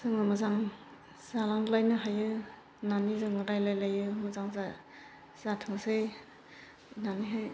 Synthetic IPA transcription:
z̥ɯŋɯmɯzaŋ | z̥alaŋlajnɯɦajɯ | nanizɯŋɯɾajlajlajɯmɯzaŋza | z̥atʰɯŋsɯj | naniɦaj

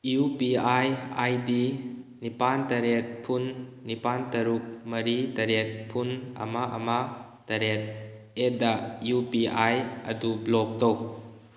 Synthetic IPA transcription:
jupiajajdinipantɐɾet̚pʰunːipantɐɾuk̚mɐɾitɐɾet̚pʰunɐ̰maʔɐ̰ma | tɐɾet̚ | edajupiajɐ̰dublɔk̚tow̚

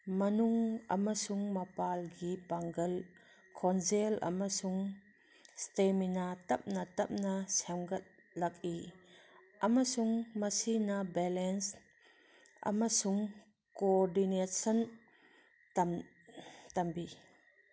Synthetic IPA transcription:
mɐnuŋa̰masuŋmɐpalɡipaŋɡɐl | kʰɔnzelɐ̰masuŋ | st̪eminat̪ɐp̚nat̪ɐp̚nasɛmɡɐt̪̚ | lɐk̚i | ʔɐmasuŋmasinabɛlɛns | ʔa̰masuŋ | koɾdinesɐn | tɐm | t̪ɐmbi

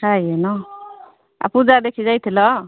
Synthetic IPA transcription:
sʰajenɔ | a̰pud͡zad̪ekʰid͡zajt̪ʰilɔ

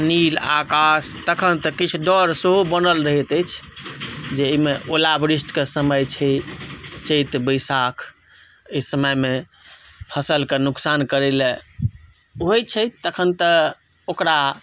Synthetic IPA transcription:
nilakast̪əkʰənt̪əkit͡ʃʰuɖɔɾseɦobənəlɾəɦɛt̪əjt͡ʃʰ | d͡ʒeəmeʔolabɾisʈkesəməjt͡ʃʰɛ | t͡ʃəjt̪bəjsakʰ | əjsəməjme | pʰəsəlkenuksankəɾele | ɦojt͡ʃʰəjt̪əkʰənt̪ə | okɾa

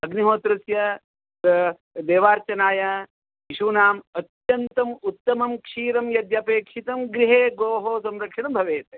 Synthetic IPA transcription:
ɐɡniɦoːt̪ɾɐsjɐ | d̪eːʋaːɾt͡ʃɐnaːjɐ | jiʃuːnaːmɐt̪jɐnt̪ɐmut̪ːɐmɐmkʂiːɾɐmjɐd̪japeːkʂit̪ɐmɡɾiɦeːɡoːɦoːsɐmɾɐkʂɐɳɐmbʱɐʋeːt̪e

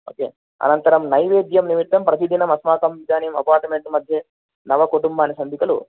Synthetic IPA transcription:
o̰ːkeː | ɐ̰nɐnt̪ɐɾɐmnɐjʋeːd̪jɐmnimit̪ːɐmpɾɐsid̪ʱinɐmɐsmaːkɐmʋid̪ʱaːnijɐmɐ̰paːɾʈmeɳʈmɐd̪ʱjɐ | nɐʋɐkuʈumbaːnisɐnd̪ʱikɐlṵ

